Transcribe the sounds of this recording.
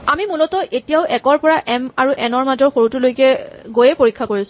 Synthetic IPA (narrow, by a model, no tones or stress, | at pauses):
amimulɔtɔʔetijaʊʔɛkɔɹpɔɹaʔɛmaɹuʔɛnɔɹmazɔɹxoɹutulojkɛɡojɛpoɹikʰːakoɹisʊ